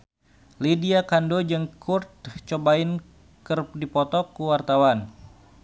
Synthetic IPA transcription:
lidiakandod͡ʒɨŋkʰurt̪̚t͡ʃobaɪn | kərdipɔt̪ɔkuwart̪awan

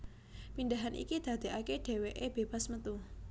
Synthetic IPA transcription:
pindaɦanʔḭkid̪̥a̤d̪̥e̤aked̥e̤weʔeb̥eb̥asmət̪u

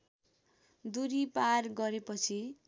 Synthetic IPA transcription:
d̪uɾiparɡʌɾepʌt͡sʰi

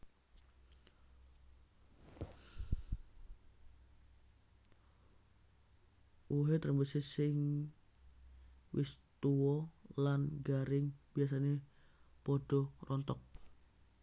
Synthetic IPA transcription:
ʔuɦet̪əɾəmbəsɪsɪŋ | wɪst̪uɔlanɡaɾɪŋb̥iasane | pɔɖ̥ɔrʔɔnt̪ɔk̚

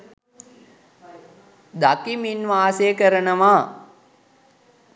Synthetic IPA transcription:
d̪akiminʋaːseːkəɾənəʋa

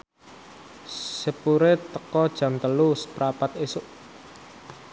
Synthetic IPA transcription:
səpuɾet̪əkɔd̥ʒ̥ä̤mt̪əluspɾapat̪̚esʊʔ

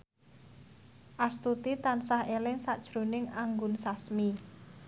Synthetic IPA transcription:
ʔast̪ut̪it̪ansahelɪŋsaʔd̥ʒ̥ɾonɪŋaŋɡʊnsasmi

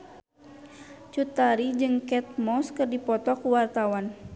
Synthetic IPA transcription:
t͡ʃut̪aɾid͡ʒɨŋkɛt̪̚mɔskɨrdipɔt̪ɔkuwart̪awan

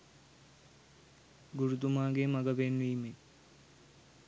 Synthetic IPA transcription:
ɡuɾut̪umaːɡemɐɡəbenʋiːme

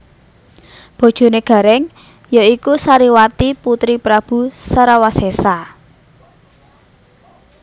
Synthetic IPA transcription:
b̥o̤d̥ʒ̥o̤neɡ̥ä̤ɾɛŋ | jaikusaɾiwat̪iput̪ɾipɾab̥ṳsaɾawasesa

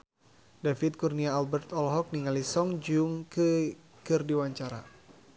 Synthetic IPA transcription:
dafit̪̚kurniaːlbɛrt̪ɔlɦɔk̚niŋalisɔŋd͡ʒuŋkə | kɨrdiwaɲt͡ʃaɾa̰

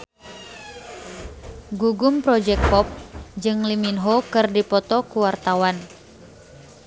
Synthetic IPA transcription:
ɡuɡumpɾɔd͡ʒɛk̚pɔp̚d͡ʒɨŋliminɦokɨrdipɔt̪ɔkuwart̪awan

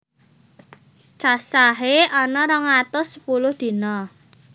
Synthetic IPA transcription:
t͡ʃasaɦeɔnɔɾəŋat̪ʊsəpulʊhd̪̥i̤nɔ

